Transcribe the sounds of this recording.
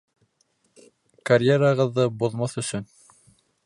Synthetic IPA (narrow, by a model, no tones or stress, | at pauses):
kɐrʲjeɾɑʁɤ̆ðːɤbuðmɑθɵ̆sɵn